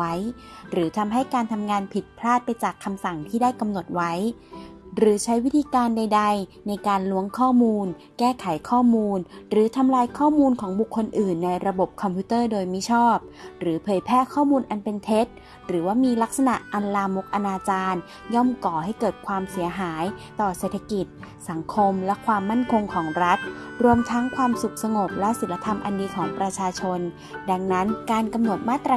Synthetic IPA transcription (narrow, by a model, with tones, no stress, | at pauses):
a˦˥j | ɾɯː˩˦t̪ʰa˧mɦa˥˩jkaː˧nt̪ʰa˧mŋaː˧npʰi˨˩t̪̚pʰlaː˥˩t̪̚pa˧jt͡ɕaː˨˩kʰːa˧msa˨˩ŋt̪ʰiː˥˩daː˥˩jka˧mno˨˩t̪̚wa˦˥j | ɾɯː˩˦t͡ɕʰa˦˥jwi˦˥t̪ʰiː˧kaː˧nda˧jda˧jna˧jkaː˧nlu˦˥əŋkʰɔː˥˩muː˧n | kɛː˥˩kʰa˨˩˦jkʰɔː˥˩muː˧nɾɯː˩˦t̪ʰa˧mlaː˧jkʰɔː˥˩muː˧nkʰɔː˩˦ŋbu˨˩kʰːo˧nʔɯː˨˩nːa˧jɾa˧bo˨˩p̚kʰɔ˧mpʰjuː˦˥t̪ɤː˥˩doː˧jmi˦˥t͡ɕʰɔː˥˩p̚ɾɯː˩˦pʰɤː˩˦jpʰɛː˥˩kʰɔː˥˩muː˧nʔa˧npe˧nt̪ʰe˦˥t̪̚ | ɾɯː˩˦waː˥˩miː˧la˦˥k̚sa˧na˨˩ʔʔa˧nlaː˧mo˦˥k̚ʔa˧naː˧t͡ɕaː˧n | jɔ˥˩mkɔː˨˩ha˥˩jkɤː˨˩t̪̚kʰwaː˧msi˨˩˦ɐɦaː˩˦jt̪ɔː˨˩seː˨˩t̪ʰa˧ki˨˩t̪̚ | sa˩˦ŋkʰo˧mlɛ˦˥kʰwaː˧mːa˥˩nkʰo˧ŋkʰɔː˩˦ŋɾa˦˥t̪̚ɾu˧əmt̪ʰa˦˥ŋkʰwaː˧msu˨˩k̚sa˧ŋo˨˩p̚lɛ˦˥si˨˩˦nla˧t̪ʰa˧mʔa̰˧ndiː˧kʰɔː˩˦ŋpɾa˧t͡ɕʰaː˧t͡ɕʰo˧n | da˧ŋna˦˥nkaː˧nka˧mno˨˩t̪̚maː˥˩t̪ːɾa˧